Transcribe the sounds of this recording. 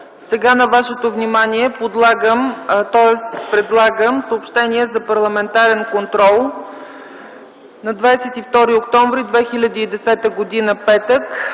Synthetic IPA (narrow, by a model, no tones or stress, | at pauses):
sɛɡanɐvaʃɛt̪ovnimaniɛpod̪lˠaɡəmt̪ɔɛspɾɛd̪lˠaɡəmsəopʃt̪ɛniɛzɐpɐɾlˠɐmɛnt̪aɾɛnkont̪ɾɔlˠ | nɐd̪vajsɛt̪ift̪ɔɾiokt̪ɔɱvɾid̪vɛxilʲəd̪iːd̪ɛsɛt̪əɡod̪inəpɛt̪ək